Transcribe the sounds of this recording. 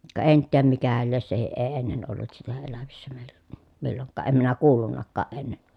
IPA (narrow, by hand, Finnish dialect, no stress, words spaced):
kɑ ʔen tiæm mikæhæl lies sehiʔ ʔeː enːen olːut sitæ elæʋisːæ meˑil̥ːæ̥ milːoŋkːɑː ʔem minæ kuːlːunːɑkːɑːʔ ʔenːe